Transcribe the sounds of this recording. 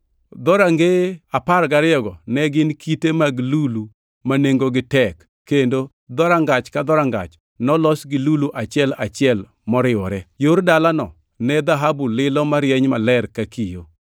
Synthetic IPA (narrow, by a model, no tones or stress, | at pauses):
d̪ɔɾaŋɡeapaɾɡaɾɪɔɡɔnɛɡɪnkʰitemaɡlulu | maneŋɡoɡɪtɛkːendo | d̪ɔɾaŋɡat͡ʃkad̪ɔɾaŋɡa̰t͡ʃ | nɔlɔsɡɪluluʔat͡ʃɪɛlat͡ʃɪɛl | mɔɾɪɔɾɛjoɾdalanɔ | nɛd̪aɦabulɪlɔmaɾjɛɲmalɛɾkakijo